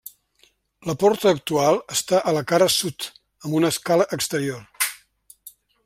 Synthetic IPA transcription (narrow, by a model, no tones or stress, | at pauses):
ləpɔɾt̪əːk̚t̪ualˠəst̪aʔələkaɾəsut̪ | əmbunəskaləʔəkst̪əɾior